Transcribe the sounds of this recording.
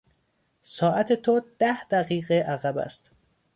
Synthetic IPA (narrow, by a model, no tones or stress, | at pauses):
sɒːʔæt̪ʰe̞t̪ʰod̪̥æhd̪̥æɣiːɣeʔæɣæbæ̰st̪